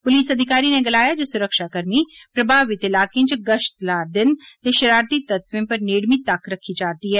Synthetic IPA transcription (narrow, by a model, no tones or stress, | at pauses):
pʊliːsəd̪ʱɪkaːɾiːneːɡəlaːjaːd͡ʒoːsʊɾəkʃaːkəɾmiːpɾəbʱaːʋɪt̪ɪlaːkẽːt͡ʃɡəʃt̪laːɾd̪ɪnt̪eːʃəɾaːɾt̪iːt̪ət̪ʋɪ̃ːpəɾneːɽmiːt̪əkːɾəkʰːiːd͡ʒaːt̪iːɦɛː